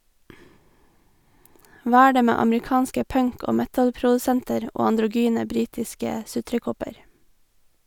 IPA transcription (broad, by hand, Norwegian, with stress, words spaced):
ˈʋɑː ˈæː ˈɖeː ˈmeː ɑmɹɪˈkɑːnskə ˈpœŋk ˈoː ˈmɛtəlpɾʊdʉˌsɛntəɾ ˈoː ɑndɾʊˈɡyːnə ˈbɾiːtɪskə ˈsʉtɾəˌkɔpəɾ